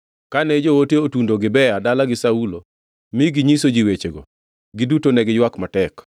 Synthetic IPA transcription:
kanɛd͡ʒowoteotundoɡɪbɛjadalaɡɪsaulo | miɡiɲisod͡ʒiwet͡ʃeɡo̰ | ɡɪdutonɛɡɪjwakmatɛk

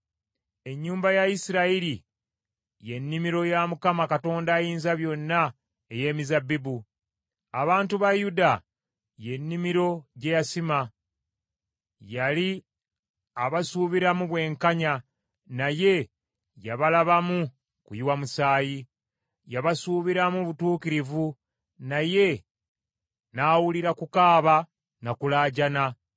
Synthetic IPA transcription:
e̞ɲːuːmbajaisiɾaiɾi | je̞nːimiɾo̞jamukamakato̞ːndaːjiːnzaβjo̞nːa | e̞je̞ːmizabibu | aβaːntuβajuda | je̞nːimiɾo̞ɟe̞jasima | jali | aβasuːβiɾamuβwe̞ːŋkaɲa | naje̞ | jaβalaβamu | kujiwamusaːji | jaβasuːβiɾamuβutuːkiɾivu | naje̞ | naːwuliɾakukaːβa | nakulaːɟana

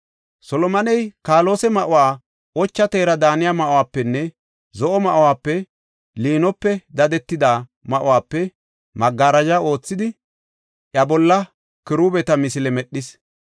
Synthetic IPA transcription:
sɔlɔmɐnɛjkaːlo̞ːsɛmɐʔʊwaː | ʔɔt͡ʃːɐt̪e̞ːɾɐd̪aːnɪjamɐʔʊwaːpːɛnːɛ | zɔʔɔmɐʔʊwaːpːɛ | liːnɔpːɛd̪ɐd̪ɛt̪ːɪd̪amɐʔʊwaːpːɛ | mɐɡːaɾɐd͡ʒao̞ːt͡sːɪd̪ɪ | ʔjɐbɔlːɐ | kɪɾuːbɛt̪ɐmɪsɪlɛmɛɗːɪs

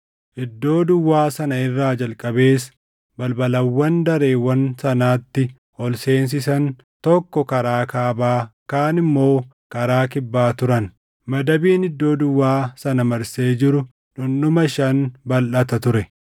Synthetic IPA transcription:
ʔɪd̪ːo̞ːd̪ʊwːaːsɐnɐɪrːaːd͡ʒɐlkʼɐbe̞ːs | bɐlbɐlɐwːɐnd̪ɐɾeːwɐnsɐnaːt̪ːɪ | ɔlse̞ːns̬ɪsɐn | t̪ɔkːɔkɐɾaːkaːbaːkaːnɪmːo̞ː | kɐɾaːkɪbːaːt̪ʊɾɐn | mɐd̪ɐbiːnɪd̪ːo̞ːd̪ʊwːaːsɐnɐmɐɾse̞ːd͡ʒɪɾʊ | ᶑʊnɗʊmɐʃɐnbɐlʔɐt̪ɐt̪ʊɾɛ

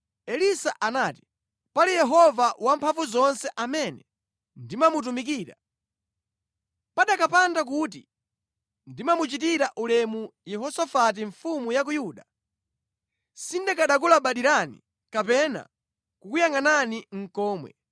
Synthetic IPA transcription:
ɛlisaʔanaːti̥ | palijɛɦɔvawampʰaɱvuzɔnsɛʔamɛnɛ | ndimamut̬umik̬iːɾa | paɗakapandak̬uːt̬i | ndimamut͡ʃitiɾaʔulɛmujɛhɔsafat̬iɱfumujak̬ujuːɗa | sindɛkaɗak̬ulaɓaɗiɾanḭ | kapɛna̰ | kukujaŋananiŋ̩kɔːmwɛ̰

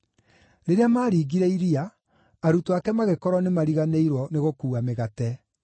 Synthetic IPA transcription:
ɾeɾeamaːɾiːɡiɾɛiɾiaː | ɾutoakɛmaɣekɔɾɔnemaɾiɣaneiɾwɔneɣokuːameɣatɛ

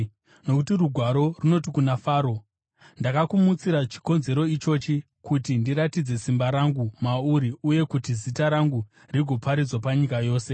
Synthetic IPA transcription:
no̞kutiruɡʱwaɾo̞runo̞tikunafaːɾo̞ | ndakakumut͡siɾat͡ʃi̥ko̞nze̞ɾo̞it͡ʃo̞t͡ʃi | kutindiɾatid͡ze̞simbaɾaŋɡumauɾiuje̞kutizitaɾaŋɡu | riɡʱo̞pʰaɾid͡zwapaɲikajo̞ːse̞

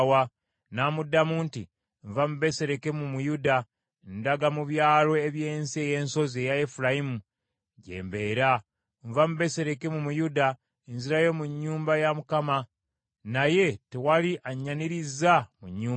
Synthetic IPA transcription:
wa | naːmudːamuːntḭ | ɱvamuβe̞se̞ɾe̞ke̞mumujuda | ndaɡamuβjaːlo̞eβjeːnsie̞je̞ːnso̞zejaefuɾajimu | ɟe̞̰ːmbe̞ːɾa | ɱvamuβe̞se̞ɾe̞ke̞mumujuda | enziɾajo̞muɲːuːmbajamukama | naje̞tewaliʔaɲːaniɾizamuɲːuː

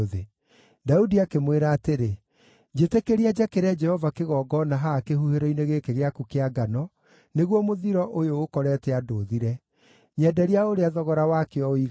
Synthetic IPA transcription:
ðe | daudiakemweɾaːteɾe | d͡ʒetekeɾiad͡ʑakeɾɛd͡ʒɛhɔvakeɣɔːɡɔnaɦakehuheɾɔineɣekeɣeakukeaɡanɔ | neɣwɔmoðiɾɔʔojoːkɔɾɛːtɛadoːðiɾɛ | ɲɛdɛɾiaoɾeaðɔɣɔɾawakeɔi

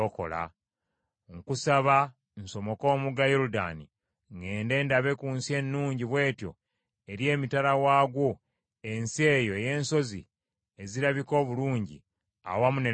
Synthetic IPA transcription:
oko̞̰la̰ | ŋkusaβa | nso̞mo̞ko̞ːmuɡajoɾuda̰ːni | ŋɡe̞ːnde̞ːndaβe̞kuːnsje̞nːuːɲɟiβwe̞ːtjo̞̰ | eɾje̞ːmitaɾawaːɡwo̞ | e̞nse̞ːjo̞eje̞ːnso̞zi | e̞ziɾaβiko̞ːβuluːɲɟḭ | a̰wamune

